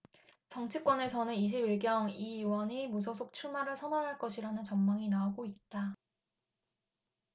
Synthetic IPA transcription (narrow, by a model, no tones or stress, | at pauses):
t͡ɕʌŋt͡ɕʰik͈wʌne̞sʰʌnɯniɕ̬ʰibiɭɡjʌŋiiwʌɲimus̬ʰʌsʰok̚t͡ɕʰuɭmaɾɯɭsʰʌnaɾɦaɭk͈ʌɕʰiɾanɯnt͡ɕʌmmaŋinaoɡoit̚t͈a